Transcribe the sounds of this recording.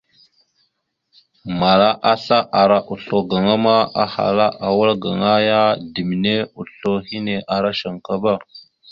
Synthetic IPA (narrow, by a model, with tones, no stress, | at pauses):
ma˨ɾa˦ʔa˦ɬa˦ʔa˨ɾa˦ʔu˨ɬo˨ɡa˨ŋa˦ma˦a˨ha̰˨la˦ʔa˨wa˦lɡa̰˨ŋa˦ja˦di˨m˨ne˦u˨ɬo˦hi˦ne˨ʔa˨ɾa˦ʃa˨ŋka˦ba˦˨